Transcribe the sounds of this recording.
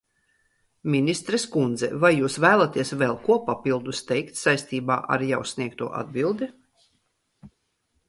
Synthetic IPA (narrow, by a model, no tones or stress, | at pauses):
mʲinʲist̪ɾɛskund̪zɛ̰vajːuːsvæːlˠat̪iɛsvɛlˠkuɔpapilˠd̪ust̪ɛjkt̪sajst̪iːba̰ːʔa̰ɾjawsʲnʲiɛkt̪uɔʔa̰d̪̚bilˠd̪i